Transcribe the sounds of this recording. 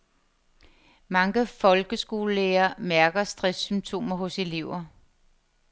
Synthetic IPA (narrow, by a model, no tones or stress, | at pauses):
mɑ̈ŋəfɒ̽lɡ̥əsɡ̥o̝ːləeːɐmæɐɡ̥ɐsd̥ʁɛsːymt͡sʰo̝̰ːmɐɦɔ̽se̝le̝ʊ̰ɐ